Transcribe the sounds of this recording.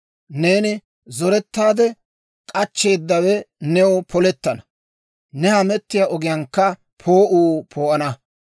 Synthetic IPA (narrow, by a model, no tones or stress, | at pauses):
ne̞ːnɪ | zɔɾɛt̪ːaːd̪ɛ | kʼɐt͡ʃːe̞ːd̪ːɐwɛnɛwɔpʰɔlɛt̪ːɐnɐ | nɛhɐmɛt̪ːɪjɐʔɔɡɪjɐŋkːɐ | pʰo̞ːʔuːpʰoːʔɐnɐ